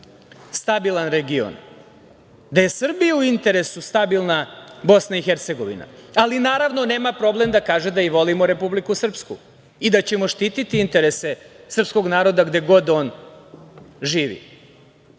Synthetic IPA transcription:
st̪abilˠanɾeɡio̰n | d̪aje̞sr̩bijuuint̪e̞ɾe̞sust̪abilˠnabo̞snaixeɾt̪se̞ɡo̞ʋḭna̰alinaːɾaʋno̞ne̞ːmapɾo̞ble̞md̪akaːʒed̪aiʋo̞limoɾe̞publikusr̩pskṵ | id̪at͡ɕe̞mo̞ʃt̪iːt̪it̪iint̪e̞ɾe̞se̞sr̩psko̞ɡnaːɾo̞d̪aɡd̪e̞ɡo̞d̪o̞ːn | ʒiːʋḭ

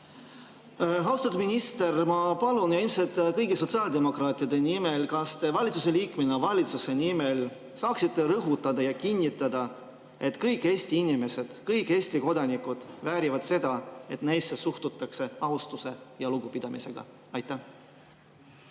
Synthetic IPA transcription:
ɦɑuwst̪ɑt̪u̥sminʲist̪e̞rmɑpɑlunjɑilmset̪ːˑkɤjɡiso̞t̪siɑːld̪emo̞krɑːt̪ˑiɑd̪̥e̞nimelkɑst̪evɑlʲit̪suse̞liːkmenɑvɑlʲit̪suse̞nime̞l | sɑːksit̪ːeɾɤɦut̪ˑːɑd̪̥ɑjɑkinʲːit̪ːˑɑd̪̥ɑ | e̞t̪kɤjkːˑe̞ːsʲt̪iinʲime̞se̞d̪̥kɤjkːˑe̞ːsʲt̪iko̞d̪ɑnikːˑud̪̥væːɾivɑd̪̥se̞d̪̥ɑe̞t̪ne̞jsːesuht̪ut̪ːˑɑkse̞ɑust̪use̞jɑluɡ̥upid̪̥ɑmḭse̞̰ɡ̥ɑ̰ | ɑjt̪ːˑæh

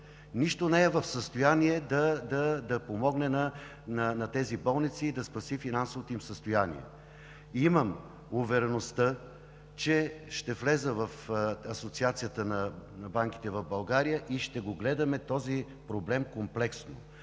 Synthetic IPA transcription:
niʃt̪onɛɛvɐfsəst̪ojaniɛd̪ɐd̪ɐd̪ɐpomɔɡnɛnɐ | nɐnɐt̪ɛzibɔlˠnit̪siːd̪ɐspɐsifinansovot̪oimsəst̪ojanḭɛ̰ | iməm | ʊvɛɾɛnost̪ə | t͡ʃɛʃt̪ɛflɛzəvɐfɐsot̪siat̪sijət̪ənɐnɐbaŋk̟i̥t̪ɛvɐvbɐlˠɡaɾijəʔiʃt̪ɛɡoɡlɛd̪ɐmɛt̪ɔzi | pɾoblɛmkomplɛksno

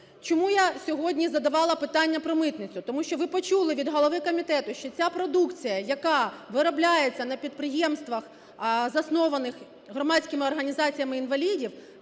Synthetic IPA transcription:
t͡ʃɔmujasʲɔɦɔdʲnʲizɐd̪ɐʋɑlˠɐpɪt̪ɑnʲːɐpɾɔmɪt̪nɪt͡sʲʊt̪ɔmuʃt͡ʃɔʋɪpɔt͡ʃulˠɪʋʲid̪ɦɔlˠɔʋɪkɔmʲit̪ɛt̪ʊʃt͡ʃɔt͡sʲapɾɔd̪ukt͡sʲijɐjɐkɑʋɪɾɔblʲajet͡sʲːɐnɐpʲid̪̚pɾɪjemst̪ʋɐx | zɐsnɔʋɐnɪx | ɦrɔmɑt͡sʲkɪmɪɔrɦɐnʲizɑt͡sʲijɐmɪinʋɐlʲidʲiw

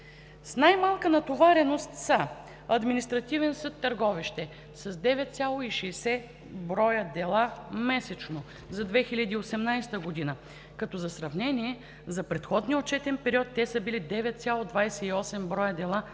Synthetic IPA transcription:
snajmalˠkənɐt̪ovaɾɛnost̪sa | ɐd̪minist̪ɾɐt̪ivɛnsɤt̪ːɐɾɡɔviʃt̪ɛ | sɐzd̪ɛvɛt̪̚t̪sʲalˠoiʃɛːsɛ | bɾɔjəd̪ɛlˠamɛsɛt͡ʃno | zɐd̪vɛxilʲɐd̪iːosɛmnajst̪əɡod̪inə | kɐt̪ɔzɐsɾɐvnɛniɛ | zɐpɾɛt̪xɔd̪niəot͡ʃɛt̪ɛnpɛɾiɔt̪ːɛsəbilid̪ɛvɛt̪̚t̪sʲalˠod̪vajsɛiɔsɛmbɾɔjəd̪ɛlˠa

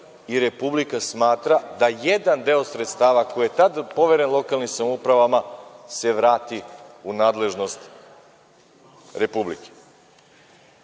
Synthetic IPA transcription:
iɾe̞publikasmaːt̪ɾad̪aje̞d̪and̪e̞osɾet̪st̪aːʋako̞ijet̪ad̪po̞ʋeɾe̞nlˠo̞kalˠnimsamoupɾaʋamase̞ʋɾaːt̪iunaːd̪le̞ʒno̞st̪ | ɾe̞publḭke̥

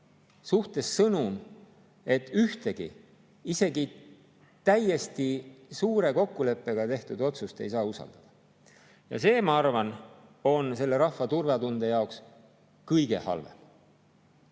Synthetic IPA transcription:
suht̪e̞sːɤnum | e̞t̪ːˑyht̪e̞ɡ̥ḭ | ise̞ɡi | t̪æjːe̞st̪isuːɾe̞ko̞kːule̞pːˑe̞ɡ̥ɑt̪e̞ht̪ud̪o̞t̪sust̪e̞̰jsɑːusɑ̰ld̪̥ɑd̪̥ɑ̥ | jɑ̰se̞ːmɑɑrvɑno̞nse̞lːe̞ɾɑhvɑt̪urvɑt̪und̪e̞jɑoks | kɤjɡe̞̰hɑ̰lvḛm

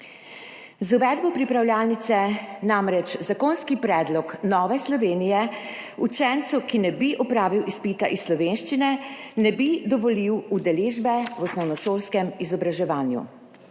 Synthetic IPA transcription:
zuʋɛːd̪bɔpɾipɾawlʲjaːlnit̪sɛnamɾɛt͡ʃzakoːnskipɾɛːd̪lɔknɔːʋɛslɔʋeːnijɛut͡ʃɛnt̪sukinɛbiʔɔpɾaːʋiwʔispit̪aʔisːlɔʋenʃt͡ʃinɛnɛbid̪ɔʋɔliwud̪ɛleːʒbɛwɔsnɔwnɔʃoːlskɛmizɔbɾaʒɛʋaːnjṵ

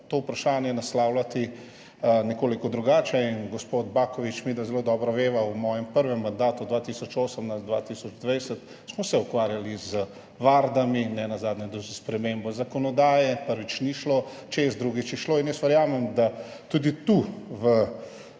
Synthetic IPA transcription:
t̪oːwpɾaʃaːnjɛnaslaːwlat̪i | nɛkoːlikɔd̪ɾuɡaːt͡ʃɛinɡɔspod̪bakɔʋit͡ʃmid̪azɛloːd̪ɔːbɾɔʋeːʋawmɔːjɛmpəɾʋɛmːand̪aːt̪ud̪ʋaːt̪isɔt͡ʃoːsəmnazd̪ʋa̰ːt̪iːsɔd͡ʒd̪ʋɛjsət̪ | smɔsɛukʋaːɾjalizə | ʋaːɾd̪aminɛnazaːd̪nʲɛd̪ozspɾɛmeːmbɔzakɔnɔd̪aːjɛpəɾʋit͡ʃniʃlot͡ʃeːzd̪ɾuɡit͡ʃjɛʃloːinjəsʋəɾjaːmɛmd̪at̪ud̪it̪uʋə

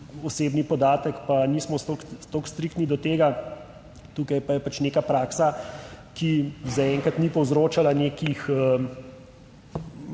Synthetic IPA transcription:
ɔseːbnipɔd̪aːt̪əkpanismɔst̪okst̪okst̪ɾikt̪nid̪ɔt̪eːɡa | t̪uːkajpajɛpat͡ʃnekapɾaːksakizaɛŋkat̪nipɔwzɾoːt͡ʃalaneːkixə

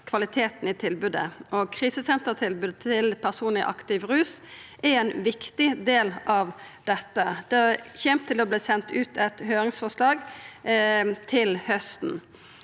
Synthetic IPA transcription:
kʰʋɑlɪt̪ʰeːt̪n̩ɪt̪ʰɪlbʉːd̪ə̰ʔɔkʰʁiːsəsɛnt̪ət̪ʰɪlbʉːd̪t̪ʰɪlpʰæʁsuːnlɪʔɑ̰kt̪ɪʋɾʉːsʔɛɛnʋɪkt̪ɪd̪eːlɑʋd̪ɛt̪ːəd̪̥ɛçɛmt̪ʰːɪlɔbliːsɛnt̪ʉːt̪ʰɛt̪høːɾɪŋsfɔʁʂlɑːɡ | t̪ʰɪlhœst̪n

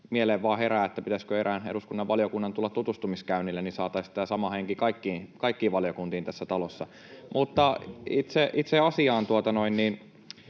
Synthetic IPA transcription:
mieleːʋʋɑːheɾæːet̪ːæpit̪æskøeɾæːnḛɾuskunːɑʋʋɑljokunːɑnt̪ulːɑt̪t̪ut̪ust̪umiskæynilːænisɑːt̪ɑisæsɑmɑheŋkikɑikːiːnkɑikːiːʋʋɑlijokunt̪iːnt̪æsːæt̪ɑlosːɑ | mʔut̪ːɑit̪seʔit̪seɑsiɑːnt̪uot̪ɑnoinniːn

